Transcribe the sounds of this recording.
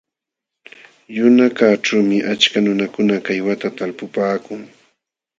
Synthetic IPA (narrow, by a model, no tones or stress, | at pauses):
jʊnakaʈ͡ʂawmɪʔat͡ʃkanʊnakʊnakajwat̪at̪alpʊpaːkʊŋ